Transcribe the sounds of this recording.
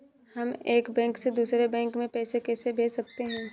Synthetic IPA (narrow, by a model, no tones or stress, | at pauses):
hɐmeːkbɛ̃ːŋksed̪uːsɾebɛ̃ːŋkmẽpɛːsekɛːsebʱeːsɐk̚t̪eɦɛ̃ː